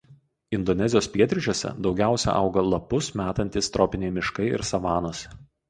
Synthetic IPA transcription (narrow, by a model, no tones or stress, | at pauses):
ɪnd̪ɔnʲɛzʲɪjoːspʲiɛt̪ʲɾʲɪt͡ʃʲuɔːsʲɛ̰d̪ɒʊɡʲæˑʊsʲɛ̰ʔɐ̰ʊɡɐlˠɐpʊsmʲæːt̪ɐnʲt̪ʲɪst̪ɾɔːpʲɪnʲeɪmʲɪʃkɐɪɪ̰ɾsɐʋɑːnosʲ